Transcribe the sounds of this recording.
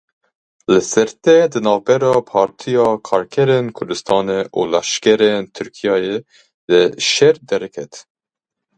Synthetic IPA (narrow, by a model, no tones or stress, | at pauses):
lɨsɛɾt̪ɛd̪ɨnɑːvbɛɾɑːpʰɑːɾt̪ʰijɑːkʰɑːɾkʰɛɾeːnkʰʊɾd̪ɨst̪ʰɑːneʔulɛʃkɛɾent̪ʰɨɾkʰijɑːje | d̪ɨʃɛɾd̪ɛɾɛkʰɛt̪